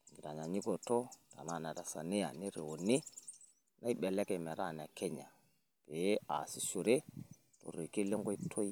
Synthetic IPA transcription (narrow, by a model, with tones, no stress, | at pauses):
ŋɡi˨ɾa˨ɲa˨ɲi˦ɡo˨to˦ta̰˨na˦˨ne˨ɾa˨sa̰˨ni˦ja̰˨ni˦ɾe˨wo˨ni˦ | na˦i˦ɓe˨le˦ke˨me˨ɾa˦˨ne˨ke˦ɲa˨ | b̥e˨˦a̰˨si˦su˨ɾe˦ | to̰˨ɾi˨ki˦le˦ŋɡo˦i˦tʰo˦i˦